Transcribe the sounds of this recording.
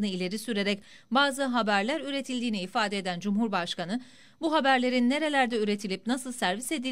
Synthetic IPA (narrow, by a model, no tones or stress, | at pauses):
nɯilʲe̞ɾisyɾe̞ɾɛc | baːzɯɦabæɾlʲæɾyɾe̞t̪ʰilʲd̪iːniifaːd̪ɛd̪ænd͡ʒumɦuɾbaʃkanɯ | buɦabæɾlʲe̞ɾinːe̞ɾe̞lʲæɾd̪ɛyɾe̞t̪ʰilʲipnasɯlˠsæɾvise̞d̪i